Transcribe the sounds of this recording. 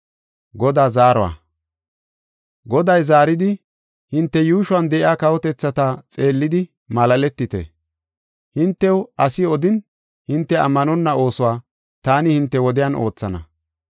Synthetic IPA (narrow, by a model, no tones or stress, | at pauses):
ɡɔd̪aːzaːɾɔwa̰ː | ɡɔd̪ɐjzaːɾɪd̪ɪ | hɪnt̪ːɛjuːʃʊɐnd̪ɛʔɪaːkɐwɔt̪ɛt͡sːɐt̪at͡sʼe̞ːlːɪd̪ɪ | mɐlɐlɛt̪ːɪt̪ɛ̰ | hɪnt̪ːɛwɐsɪɔd̪ɪn | hɪnt̪ːɛɐ̰mːɐnɔnːɐo̞ːsʊwaː | t̪aːnɪhɪnt̪ːɛwɔd̪ɪjano̞ːt͡sːɐnɐ̰